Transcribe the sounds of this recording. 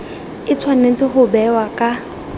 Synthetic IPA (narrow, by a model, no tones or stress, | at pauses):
ɪt͡sʰwanet͡sʼɪχʊbɛwakʼa